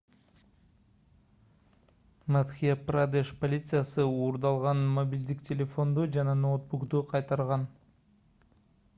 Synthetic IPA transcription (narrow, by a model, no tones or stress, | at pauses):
mat̪χʲijaprad̪eʃpolʲit̪sɨjasɯuːɾd̪ɑlˠʁɑnmobʲilʲd̪iktʲelʲe̞fo̞nd̪ud͡ʒɑnɑnowt̪̚bukt̪uqʰɑjt̪ɑɾʁɑn